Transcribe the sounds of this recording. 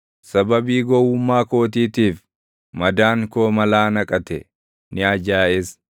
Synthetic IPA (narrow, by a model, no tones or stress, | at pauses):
sɐbɐbiːɡɔwʊmːaːko̞ːt̪̬iːt̪iːf | mɐd̪aːŋkoːmɐlaːnɐkʼɐt̪ɛ̰ | nɪɐd͡ʒaːɛs